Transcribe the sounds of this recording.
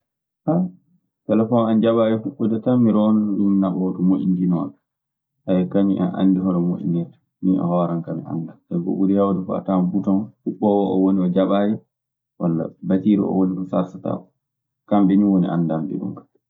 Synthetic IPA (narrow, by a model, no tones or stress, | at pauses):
ha | tɛlɛfɔnand͡ʒaɓaːjɛfuɓːɔdatamiɾɔnɔinnaɓɔtumoʔḭndinɔn | ʔajɛkaɲiʔɛ̰nʔa̰nːdiɦɔɾɛmoʔḭnɛtḁ | niɔ̰hɔɾankamiʔa̰ndamʔɛɡo̰ɓudɛjawdɛfɔa̰tambutɔnfuɓːɔwɔɔ̰woniɔd͡ʒaɓaːjɛ | walːa̰batiɾḭʔɔ̰wolikɔsaɾsata̰ | kamɓɛniwonḭʔa̰nːdambɛ̰ɡṵmkḁ